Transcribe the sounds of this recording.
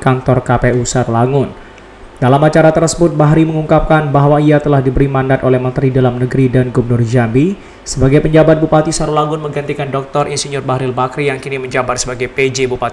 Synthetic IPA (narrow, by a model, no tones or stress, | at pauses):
kant̪ɔrkapeusaɾulaŋʊn | d̥alamat͡ʃaɾat̪ərsəbʊt̪̚baɦɾiməŋuŋkap̚kanbaɦwaiat̪əlahdibəɾimandat̪olɛhmənt̪əɾidalamnəɡəɾidanɡubərnʊrd͡ʒambi | səbaɡajpəɲd͡ʒabat̪̚bupat̪isaɾulaŋʊnməŋɡant̪ikandɔk̚t̪ɔrʔinsiɲʊrbahɾilbakɾijaŋkiniməɲd͡ʒabat̪̚səbaɡajped͡ʒebupat̪